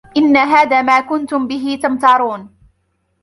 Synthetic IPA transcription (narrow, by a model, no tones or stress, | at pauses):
ʔɪnːaɦaːðaːmaːkʊnt̪ʊmbɪɦɪt̪amt̪ɑːɾˤuːn